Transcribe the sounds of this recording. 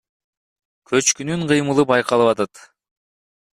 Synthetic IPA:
kʰø̞t͡ʃkynyɴqʰɯjmɯlˠɯp̚ɑjqɑlˠɯpɑt̪ɑt̪

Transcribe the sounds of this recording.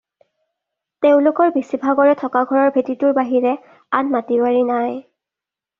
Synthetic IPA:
teʊ̃lokɔɹbisibʱaɡɔɹɛtʰɔkaɡʱɔɹɔɹbʱetitʊɹbaɦiɹɛ | anmatibaɹinaj

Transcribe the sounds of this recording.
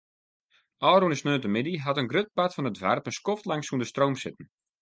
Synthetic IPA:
ʔɔːɾunəsnøːtəmɪdiɦatənɡrøt̚batfɔnətʋa̰rpənskɔftlaŋsuəndəstroːmsɪtən̩

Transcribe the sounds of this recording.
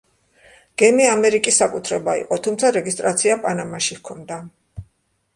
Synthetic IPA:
ɡ̥ɛmiamɛɾikʼisːakʼut̪ʰɾɛbaḭqʼɔt̪ʰumt̪sʰaɾɛɡist̪ʼɾat̪sʰiapʼanamaʃihkʰɔnd̪a

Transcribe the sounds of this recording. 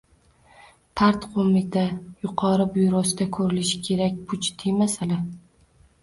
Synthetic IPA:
pʰaɾt̪qʰomɪt̪ʰajʊqʰɒɾɪbʊjɾɒsɪd̪akʰɵɾɪlɪʃɪ̥kʲʰe̞ɾakʲpʰʊt͡ʃt̪ʰɪjmasala

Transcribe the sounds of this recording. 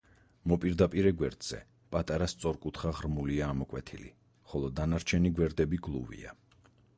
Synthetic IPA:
mɔpʼiɾd̪apʼiɾɛɡwɛɾd̪z̥ɛ̰ | pʼat̪ʼaɾast̪sʼɔɾkʼut̪ʰχaʁɾmuliaːmɔkʼwɛt̪ʰilḭ | χɔlˠɔd̪anaɾt͡ʃʰɛniɡwɛɾd̪ɛbiɡlˠṵvḭa̰

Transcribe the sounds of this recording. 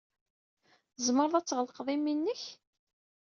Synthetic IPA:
zməɾˤðˤæt͡sːʁəlqðˤiminːəç

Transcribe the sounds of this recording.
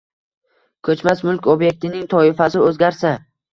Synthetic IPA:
kʰɵt͡ʃmasmʊlkʲobje̞k̚ʲt̪ɪnɪŋt̪ʰɒɪfasɪɵzɡʲaɾsa

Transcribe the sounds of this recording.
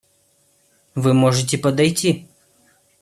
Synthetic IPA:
vɨmɔʐɨt̬ʲɪpɐd̪ɐjtʲi

